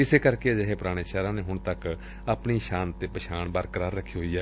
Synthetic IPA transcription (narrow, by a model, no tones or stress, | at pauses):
ɪseːkəɾkeːd͡ʒəɦeːpʊɾaːɽ̃eːt͡ʃaːɾãːneːɦʊɳt̪ək | apɳiːʃãːnt̪eːpəʃʰaːɳbaːɾkəɾaːɾəkʰːiːɦoiːɛː